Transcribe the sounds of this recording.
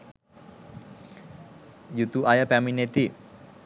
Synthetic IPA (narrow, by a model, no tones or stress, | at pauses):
jut̪uʔajapɛminet̪i